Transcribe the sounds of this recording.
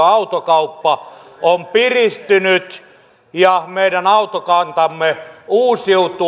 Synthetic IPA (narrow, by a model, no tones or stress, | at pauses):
ɑut̪okɑupːɑompirist̪ynyt̪ | jɑmeiɾænɑut̪okɑnt̪ɑmːeuːsiut̪u